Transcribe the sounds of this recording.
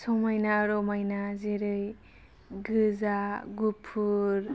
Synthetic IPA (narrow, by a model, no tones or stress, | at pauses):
sɔmajnaɾɔmajnazeɾɯj | ɡɯzaɡupʰːuɾ